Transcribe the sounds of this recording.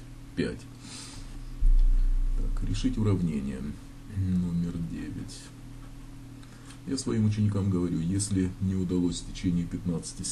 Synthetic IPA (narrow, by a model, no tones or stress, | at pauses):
pʲæ̰tʲ | t̪a̰kɾʲɪʂɨtʲʊɾɐvnʲenʲɪ̰jə̰ | nomʲɪrdʲḛvʲɪ̰tʲ | jasvɐimʊt͡ɕɪnʲɪkamɡəvɐɾʲujesʲlʲɪnʲɪʊd̪ɐlˠosʲftʲɪt͡ɕenʲɪəpʲɪt̪nat̪sɨ̥tʲɪ